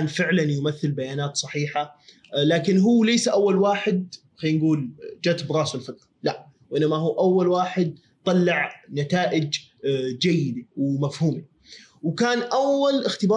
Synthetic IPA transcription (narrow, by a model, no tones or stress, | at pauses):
nfɪʕlanjʊmaθːɪlbajaːnaːt̪sˤɑħiːħa | laːkɪnɦuːlajsaʔawːalwaːħɪd̪̚ | xaːnɡuːld͡ʒaːt̪ɪbɾˤɑːsɪlfɪt̪ɾɑlaʔ | wʔɪnːamaɦuːʔawːalwaːħɪd̪̚ | t̪ˤɑlːɑʕnat̪aːʔɪd͡ʒ | d͡ʒajːɪd̪awmafhuːmi | wkaːnʔawːalʔɪxt̪ɪbɑ